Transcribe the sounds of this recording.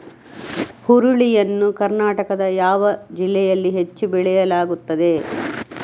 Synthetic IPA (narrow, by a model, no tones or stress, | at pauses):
huɾuɭijɐnːukɐɾnaːʈɐkɐd̪ɐjaːʋɐd͡ʒilːɛjɐlːiɦe̞t͡ʃːubɛɭɛjɐlaːɡut̪ːɐd̪e̞